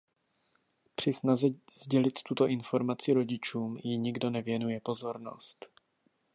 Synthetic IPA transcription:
pr̥ɪsnazɛzɟɛlɪt̪ːut̪o̞ʔɪnfo̞ɾmat͡sɪɾo̞ɟɪt͡ʃuːmjɪɲɪɡdo̞nɛvjɛnujɛpo̞zo̞ɾno̞̰st̪

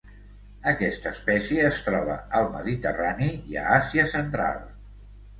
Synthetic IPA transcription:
əkɛst̪əːspɛsiəːst̪ɾɔβ̞ə̰əlˠmə̰ðit̪əraniiə̰asiəsənt̪ɾa̰lˠ

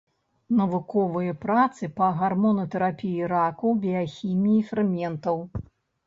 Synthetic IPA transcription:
nɐvukɔvɨjɐpɾat̪sɨpɐɣarmɔnɐt̪ɛɾapʲijiɾakɐwbʲijaxʲimʲiːfɾɨmʲɛnt̪ɐw

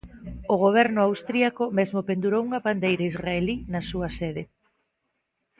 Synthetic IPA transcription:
ʊɣ̞oβ̞ɛɾnʊawst̪ɾiakomezmopend̪uɾowuŋɐβand̪ejɾaizraelinɐsuɐseðe

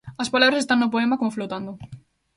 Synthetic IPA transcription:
ɐspalaβɾɐsest̪aŋnʊp̬oemɐkomʊflot̪and̪ʊ

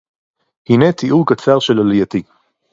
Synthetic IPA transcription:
hinet̪iʔukat͡saʁʃelalijat̪i

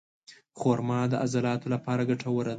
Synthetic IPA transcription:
xoɾmɑd̪əʔazalɑt̪olapɑɾaɡaʈʰawəɾa

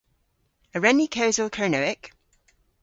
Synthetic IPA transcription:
əɹɛnikʰəʊzəlˠkʰəːnəʊɪk

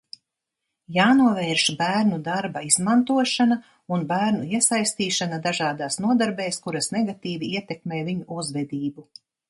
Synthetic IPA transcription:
jaːnuɔvɛːɾʃbæːɾnud̪aɾbaizmant̪uɔʃana | unbæːɾnuiɛsajst̪iːʃanad̪aʒaːd̪aːsnuɔd̪aɾbeːskuɾasnɛɡat̪iːviiɛt̪ɛkmeːjvʲiɲuʔuzvɛd̪iːbu

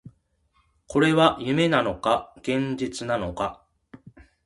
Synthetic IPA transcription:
ko̞ɾe̞βajɯ̟me̞nano̞kaɡ̥ẽ̞ɲ̟d͡ʑit͡sɨnano̞ka

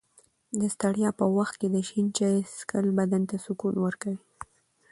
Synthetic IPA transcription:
d̪əst̪aɽjɑpəwaxt̪̚ked̪əʃint͡ʃaskəlbad̪ant̪asʊkunwəɾkawi

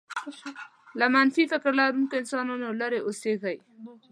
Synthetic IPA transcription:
lamanfifɪkɾlaɾunkoɪnsɑnɑnolaɾeʔoseɣaj

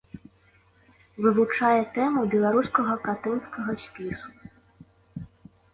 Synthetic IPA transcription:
vɨvut͡ʂajɛt̪ɛmubʲɛlˠaɾuskɐɣɐkat̪ɨnskɐɣɐsʲpʲisu̥

